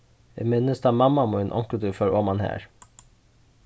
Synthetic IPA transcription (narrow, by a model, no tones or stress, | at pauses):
ɛ̰mɪnəst̪ɑːmɑmɑmɔːenʔɔ̰ŋkəd̪ʉfœɾʔoːmɑnhæ̰ːɹ